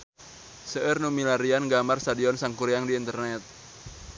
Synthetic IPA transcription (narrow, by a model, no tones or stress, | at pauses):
səʔərnumilaɾianɡamarst̪adiɔnsaŋkuɾiaŋdiːnt̪ərnɛt̪̚